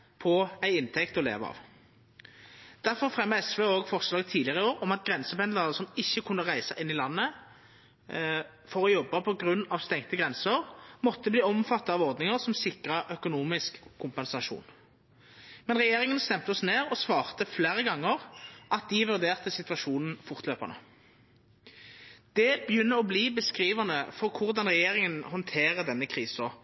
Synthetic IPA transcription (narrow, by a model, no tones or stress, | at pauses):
pʰɔæɪɪnt̪ʰɛkt̪ɔlḛːʋɑ̰ːʋ | d̪̥æʁfɔʁfʁɛmːəɛsʋeːoːɡfɔʁslɑːɡt̪ʰiːlɪəʁəoːʁɔmɑt̪ɡʁɛnsəpɛnd̪əʁəsɔmɪçːəkʰʉnːəʁæɪsɑʔɪnːɪlɑnːə | fɔʁɔjɔbːɑpʰɔɡʁʉnːɑʋst̪ɛŋt̪əɡʁɛnsəʁmɔt̪ːəbliːɔmfɑt̪ːɑɑʋɔʁd̪nɪŋəʁsɔmsɪkʁəʔœkʊnuːmɪskʰːʊmpɛnsɑʂṵːn | mɛnʁɛjeːʁɪŋənst̪ɛmt̪əɔsneːʁɔsʋɑːʁt̪əfleːʁəɡɑŋːəʁʔɑt̪̚d̪ɪʋʉʁd̪eːʁt̪əsɪt̪ʋɑʂuːnn̩fʊʁt̪løːpə̰nə̰ | d̪̥ɛbjʏnːəɔbliːbəskʁiːʋɑnəfɔʁkʰʊʁd̪ɑnʁɛjeːʁɪŋənhɔnt̪ʰeːʁəd̪ɛnːəkʰʁiːsɔ